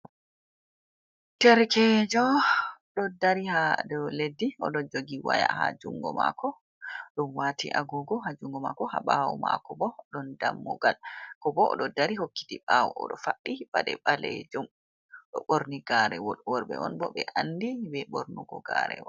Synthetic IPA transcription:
tɛɾkɛd͡ʒɔɗɔdaɾihadɔledːiɔɗɔd͡ʒoɡiwajahad͡ʒuŋɡɔmakɔ | ɗɔnwatḭʔaɡɔɡɔɦad͡ʒuŋɡɔmakɔhaɓawɔma̰kɔbɔɗɔndamːɔɡalkɔbɔʔɔɗɔdaɾihokːi̥tiɓawɔɔɗɔfaɗːibaɗɛɓaled͡ʒum | ɗɔɓoɾniɡaɾɛwɔɗwɔɾbɛ̰ʔɔnbɔɓɛʔanːdibɛɓɔɾnuɡɔɡaɾɛ̰wɔ

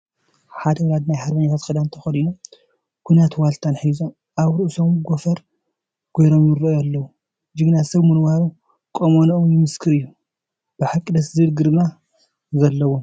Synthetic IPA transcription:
ħad̪ɐwɾad̪najħaɾbɐɲːat̪ʰat̪kɐd̪ant̪ʰɐ̥xɐlinom | kʷʰujnat̪walt̪ʰanħizom | ʔaβɾɨʔsomɡofɐɾ | ɡ̥ojɾomjɪɾoalːɐwu | d͡ʒɨɡɨnasɐβmɨnwaɾu | kʼomonʔomjɪmɨskʰɨɾɨjːu | b̥ɨħakʼːid̪ɐszɨlɡɨɾma | zɐlːɐwom

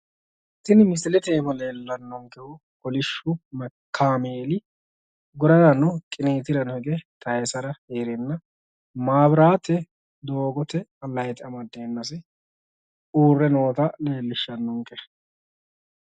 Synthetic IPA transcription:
t̪ːɪnmɪsɪlɛt̪eːbɐleːlːɐnːɔŋkɛhʊ | kɔlɪʃːʊmɐkʰːaːmeːlɪ | ɡʊɾɐdɐnɔkʼɪneːt̪ɪɾɐnhɛɡɛt̪ʰɐjɛsɐɾɐheːɾɛnːɐ | maːbɾaːt̪ːɛ | d̪o̞ːɡɔt̪ɛɐlɐjt̪ʼɐmɐd̪eːnːɐs̬ɛ | uːrːɛno̞ːt̪ɐle̞ːlːɪʃːɐnːɔŋkɛ

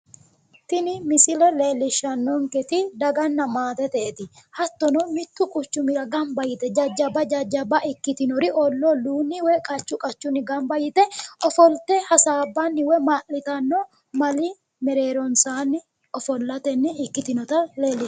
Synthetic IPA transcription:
t̪ɪnɪmɪsɪlɛle̞ːlːɪʃːɐnːɔŋkɛt̪ɪd̪ɐɡɐnːɐmaːt̪ɛt̪ɛʔɛt̪ɪhɐt̪ːɔnɔmɪt̪ːʊkʼʊt͡ʃːʊmɪɾɐɡɐmbɐjɪt̪ɛd͡ʒɐd͡ʒːɐbɐd͡ʒɐd͡ʒːɐbɐʔɪkːɪt̪ɪnɔɾɪɔlːɔluːnːɪwɛkʼɐt͡ʃːʊkʼɐt͡ʃːʊnːɪɡɐmbɐjɪt̪ɛɔfɔlt̪ɛhɐsaːbːɐnːɪwɛmaːʔɪt̪ɐnːɔ | mɐlɪ | mɛɾe̞ːɾɔnsaːnːɪ | ɔfɔlːɐt̪ɛnːɪɪkːɪt̪ɪnɔt̪ɐle̞ːlːɪʃ

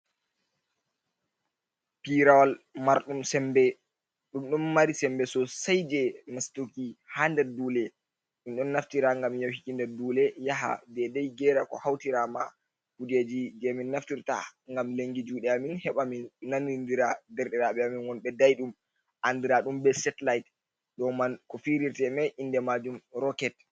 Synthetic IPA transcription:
piɾawalmaɾɗumsɛmbɛ | ɗumɗumːaɾisɛmbɛsɔsajd͡ʒɛmastukihaːndɛɾduːlɛ | minɗɔnːaftiɾaŋɡamjawhikindɛɾduːlɛjaɦa̰dɛdɛjɡɛːɾakɔ̰hawtiɾama | kud͡ʒed͡ʒid͡ʒɛminːaftiɾta̰ŋɡamleŋɡid͡ʒuːɗɛaminhɛɓaminːanːindiɾadɛɾɗɛɾaɓɛaminwɔnɓɛdajɗum | ʔandiɾaɗumbɛsɛtlajt | ɗɔmankɔfiɾiɾtɛmɛʔindɛmad͡ʒumɾɔkɛt̚

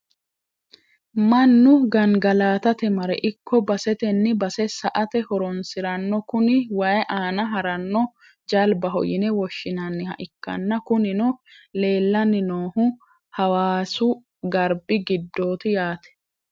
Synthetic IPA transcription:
mɐnːʊɡɐŋɡɐlaːt̪ɐt̪ɛmɐɾɛ̰ʔɪkʰːɔbɐsɛt̪ɛnːɪbɐsɛsɐʔɐt̪ɛhɔɾɔnsɪɾɐnːɔkʊnɪwajʔaːnɐɦɐɾɐnːɔ | d͡ʒɐlbɐɦɔ̰jɪnɛwɔʃːɪnɐnːɪhɐ̰ʔɪkːɐ̰nːɐkʊnɪnʊ | le̞ːlːɐnːɪnoːhʊ | hɐwaːsʊ | ɡɐɾbɪɡɪd̪ːo̞ːt̪ɪjaːt̪ɛ̥

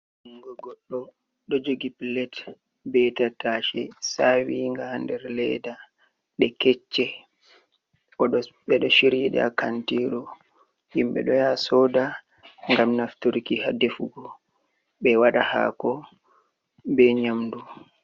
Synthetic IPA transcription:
ŋɡɔɡɔɗːɔ | ɗɔd͡ʒoɡipilɛt | bɛtataːʃɛ̰sawiŋɡahandɛɾlɛda | ɗɛkɛt͡ʃːɛ | ʔɔɗɔɓɛɗɔʃiɾiɗa̰kantiɾɔ | himɓɛ̰ɗɔjasɔːda | ŋɡamnaftoɾikihadefuɡɔ | ɓɛwaɗaha̰kɔ | bɛɲamdu

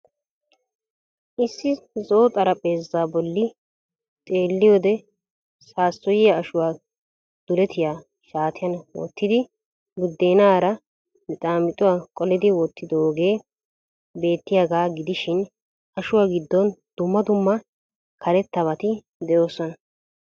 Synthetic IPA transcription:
ʔɪsːɪzoːt̪ʼɐɾɐpʼe̞ːzaːbɔlːɪ | t̪ʼe̞ːlːɪjo̞ːd̪ɛ | saːsːɔjɪjɐɐʃʊwaː | d̪̥ʊlɛt̪ʰɪjaː | ʃaːt̪ʰɪjɐnwɔ̰t̪ːɪd̪ɪ | ɡʊd̪ːe̞ːnaːɾɐ | mɪt̪ʼaːmɪt̪ʼʊwaːkʼɔlɪd̪ɪwɔt̪ʰːɪd̪ooːɡe̞ː | be̞ːt̪ːɪjaːɡaːɡɪd̪ɪʃɪn | ʔɐʃʊwaːɡɪd̪ːɔnd̪̥ʊmːɐd̪ʊmːɐ | kʰɐɾɛt̪ːɐβɐt̪ɪ | d̪ɛjo̞ːsɔnɐ

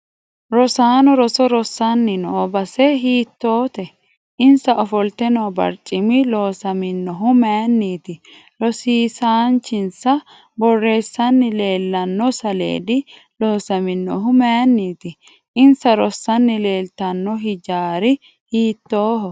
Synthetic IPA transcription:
ɾɔsaːnɔɾɔsɔɾɔsːɐnːɪnɔːbɐsɛɦiːt̪ːoːt̪ɛ | ʔɪnsɐʔɔfɔlt̪ɛnoːbɐ̰ɾt͡ʃʼːɪmɪlo̞ːsɐmɪnːɔɦʊmenːiːt̪ɪ | ɾɔsiːsaːnt͡ʃːɪnsɐ | bɔrːe̞ːsːɐnːɪle̞ːlːɐnːɔsɐlḛːd̪ɪ | lo̞ːsɐmɪnːɔɦʊmɛjnːiːt̪ɪ | ʔɪnsɐɾɔsːɐnːɪle̞ːlt̪ɐnːɔɦɪd͡ʒaːɾɪ | hiːt̪ːoːɦɔ

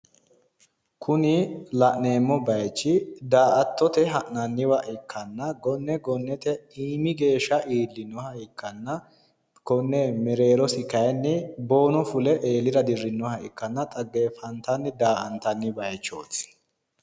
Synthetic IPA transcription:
kʰʊnɪlɐʔneːmːɔbɐjt͡ʃːɪd̪aːʔɐt̪ːɔt̪ɛɦɐʔnɐnːɪwɐʔɪkʰːɐnːɐɡɔnːɛɡɔnːɛt̪ɛiːmɪɡe̞ːʃːɐʔiːlːɪnːɔhɐɪkʰːɐnːɐ | kɔnːɛmɛɾe̞ːɾɔsɪkɐjnːɛbo̞ːnɔfʊlɛʔeːlɪɾɐd̪ɪrːɪnːɔhɐʔɪkːɐnːɐt̪ʼɐɡeːfɐnt̪ɐnːɪd̪aːʔɐnt̪ɐnːɪbɐjt͡ʃːoːs

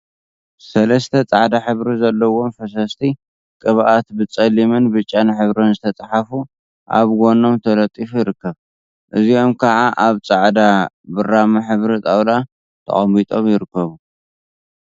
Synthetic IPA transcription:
sɐlɐst̪ʰɐt͡sʼaʕd̪aħɨβɾizɐlːɐwo̞mfɐs̬ɐst̪ʰi | kʼɨβʔat̪bɨt͡sʼɐlimɨnbɨt͡ʃʼːanħɨβɾonzɨt̪ʰɐt͡sʼaħafu | ʔa̰βɡo̞no̞mt̪ʰɐlɐt̪ʼːifujɪɾɨkːɐβ | ʔɨzio̞mkʰɐʕaʔaβt͡sʼaʕd̪a | bɨramaħɨβɾit̪ʼawla | t̪ʰɐ̰χʼɐmbit̪ʼo̞mjɪɾɨkːɐβu

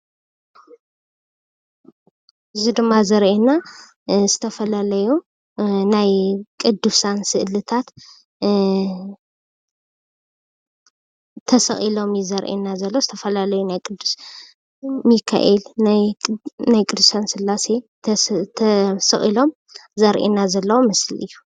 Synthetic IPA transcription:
ʔɨzid̪ɨmːazɐɾʔena | zɨt̪ʰɐfɐlalɐju | najkʼɨd̪ːusansɨʔɨlɨt̪ʰat̪ | t̪ʰɐsɐχʼilo̞mjizɐɾʔḛnazɐlːozɨt̪ʰɐfɐlalɐjunajkʼɨd̪ːu̥s | mikʰa̰ʔelnajnajkʼɨd̪usansɨlːase̞ | sɨχʼilo̞m | zɐɾʔenazɐlːɐwomɨslɨ̰jːu

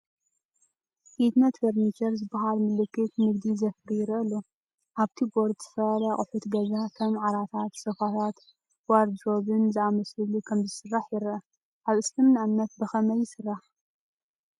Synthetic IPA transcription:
hit̪nɐt̪fɐɾnit͡ʃɐɾzɨbːɐɦalmɨlɨkːɨt̪mɨɡd̪izɐfɨɾijɪɾʔɨlu | ʔaβt̪ʰiɡoɾd̪zɨfɐlɐχʼʊħut̪ɡɐzak̪ʰɐmʕaɾat̪ʰat̪sɐfat̪ʰat̪ | waɾd͡ʒɾoβɨnzɨamɐslɨlukʰɐmzɨsɨrːaħjɪɾʔɐ | ʔaβɨslɨmnamnɐt̪̚bɐxɐmɐjːɪsɨrːaħ

